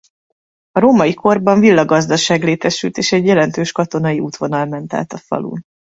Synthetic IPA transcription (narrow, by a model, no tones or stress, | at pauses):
ɒɾoːmɒjikʰo̞rbɒɱvilːɒɡɒzd̪ɒʃaːɡleːt̪ɛʃylt̪eːʃɛɟjɛlɛn̪t̪øːʃkɒt̪o̞nɒjiuːt̪ʋo̞nɒlmɛnt̪a̰ːt̪ɒfɒ̰lṵːn